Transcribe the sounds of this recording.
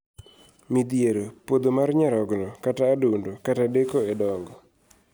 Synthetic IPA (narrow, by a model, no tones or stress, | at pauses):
mid̪jeɾopod̪omarɲaɾɔɡnɔkataːdundokatadekoedɔŋɡɔ